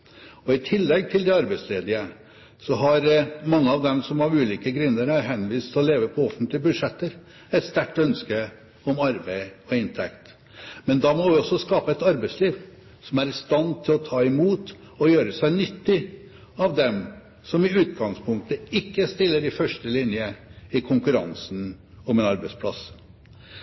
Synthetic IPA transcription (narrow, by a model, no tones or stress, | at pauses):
ɔɪt̪ʰɪlːɛɡt̪ʰɪld̪ɛɑɾbæɪsleːd̪ɪə | sɔɦɑɾmɑŋːəɑʋd̪ɛmsɔmɑʋʉːliːkəɡɾʏnːəɾəɦɛnːʋiːst̪ʰɪlɔleːʋəpʰɔɔfənt̪lɪəbʉd̪ʂɛt̪ːəɾ | ɛɪt̪st̪æʈːœnskə | ɔmɑɾbæɪɔɪnt̪ʰɛkt̪ | mɛnd̪ɑmɔʋɪɔsːɔskɑːpəɛt̪ɑɾbæɪsliːʋ | sɔmæɾɪst̪ɑnt̪ʰɪlɔt̪ʰɑːɪmuːt̪ | ɔjøːɾəsæɪnʏt̪ːɪ | ɑʋd̪ɛm | sɔmɪʉːt̪ɡɑŋspʰʊŋk̚t̪əɪkːəst̪ɪlːəɾɪfœʂʈəlɪnjəɪkʰʊŋkʉɾɑ̰ŋsn̩ | ɔmɛnɑɾbæɪspʰlɑ̰s